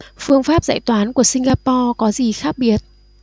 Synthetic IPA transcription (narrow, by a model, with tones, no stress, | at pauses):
fɨ˧əŋfaː˦˥p̚za̰ː˧˨jt̪waː˨˦nku˧˩əsï˧ŋɣaː˧pɔ˧kɔ˨˦zi˨˩xaː˦˥k̚ɓi˦˩ət̚